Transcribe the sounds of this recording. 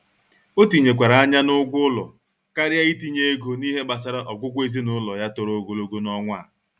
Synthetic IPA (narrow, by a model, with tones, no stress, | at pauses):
o˦ti˨ɲe˨kʷa˨ɾa˨a˦ɲa˦nʊ˦ɡʷʊ˦lɔ̰˨ | ka˦ɾɪ˦a˦i˦ti˦ɲe˦e˦ɡo˨ni˦ɦe˦ba˨sa˦ɾa˦ʔɔ˨ɡʷʊ˦kʷe˦zi˦nʊ˦lɔ˨ja˦to˨ɾo˨˦ɡo˨lo˦ɡo˦nɔ˦ŋʷ˦a̰˦˨